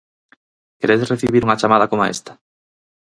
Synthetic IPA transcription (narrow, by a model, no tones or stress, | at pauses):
keɾeðreθiβiɾuŋat͡ʃamaðɐkomaḛst̪ḁ